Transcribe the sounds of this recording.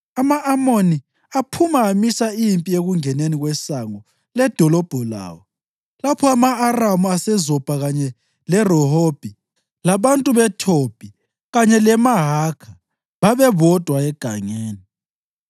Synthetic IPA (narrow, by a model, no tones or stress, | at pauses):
amaʔamoni | apʰumaːmisaijimpʼieɣuŋɛneniɣwɛsaŋɔ | lɛd̥ʱɔlɔb̥ʱɔla̰ːwɔ | lapʰɔamaːramuasɛzɔb̥ʱaɣaɲɛ | lɛrɔɦob̥ʱi | laβantʼuβɛtʰob̥ʱi | ɣaɲɛlɛmaɦakʰḁ | βaβɛβɔd̥ʱwaɛɡ̥ʱaŋeːni